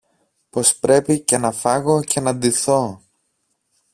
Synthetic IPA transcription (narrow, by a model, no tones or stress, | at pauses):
po̞spɾe̞pice̞nɐfɐɣo̞ce̞nɐd̪iθo̞